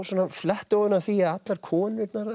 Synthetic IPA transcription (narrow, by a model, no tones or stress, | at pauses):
sɔːnaflɛht̪oðʏnaθiːaat̪laɾkʰɔːnvɪknaɾ